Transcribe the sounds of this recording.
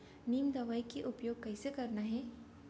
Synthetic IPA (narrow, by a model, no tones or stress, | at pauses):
niːmd̪ɐʋaːikeʔʊpjoːɡ̚kɛɪsekɐɾnaɦɛː